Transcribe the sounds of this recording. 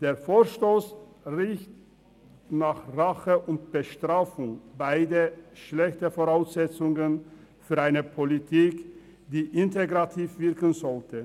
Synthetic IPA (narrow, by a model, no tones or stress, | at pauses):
d̥eːɐfoːɐʃtoːs | ʁɪçt | naːχʁaχəʔʊntb̥əʃtʁ̥aːfʊŋbaɪdəʃlɛçtəfoːʁaʊsz̥ɛt͡sʊŋənfyːɐʔaɪnəpʰolitʰiːk | d̥iːʔɪnteɡʁatʰiːfvɪɐkən̩zɔltʰə